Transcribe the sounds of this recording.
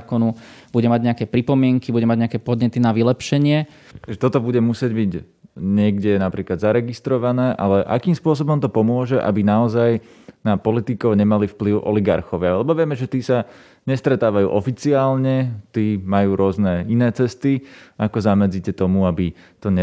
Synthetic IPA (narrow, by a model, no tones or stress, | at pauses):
kɔnu | b̥uɟɛmaɟɲɛakɛpɾipɔmɪɛŋkibuɟɛmaɟɲɛakɛpɔd̪ɲɛt̪inaʋilɛpʃɛɲɪɛ | aʒɛt̪ɔt̪ɔbuɟɛmusɪɛɟbiɟ | ɲɪɛɡɟɛnapɾiːklad̪zaɾɛɡist̪ɾɔʋanɛːʔa̰lɛʔa̰kiːmspʊɔs̬ɔbɔmt̪ɔpɔmʊɔʒɛʔa̰binaɔzaj | napɔlit̪ikɔʊɲɛmalifpliʊʔɔ̰liɡa̰ɾxɔʋɪaalɛbɔʋɪɛmɛʒɛt̪iːsa | ɲɛst̪ɾɛt̪aːʋajṵːʔɔfit͡siaːlɲɛt̪iːmajuːɾʊɔznɛinɛːt͡sɛst̪iakɔzamɛd͡zicɛt̪ɔmuabi | t̪ɔɲɛ